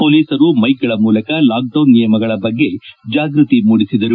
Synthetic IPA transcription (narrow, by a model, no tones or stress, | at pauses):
poːliːsɐɾumɐjɡɐɭɐmuːlɐkɐlaːk̚ɖɐwnːijɐmɐɡɐɭɐbɐɡːe̞d͡ʒaːɡɾut̪imuːɽisid̪ɐɾu